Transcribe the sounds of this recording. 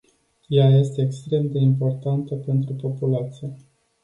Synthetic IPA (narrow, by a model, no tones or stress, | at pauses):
jaje̞st̪e̞ːkst̪ɾe̞md̪e̞impo̞rt̪ant̪əpe̞nt̪ɾupo̞pulat̪sije